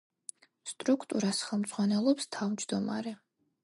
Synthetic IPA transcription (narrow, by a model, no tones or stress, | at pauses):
st̪ʼɾukʰt̪ʼuɾasχɛlˠmd̪zʁwanɛlˠɔpst̪ʰavd͡ʒd̪ɔma̰ɾɛ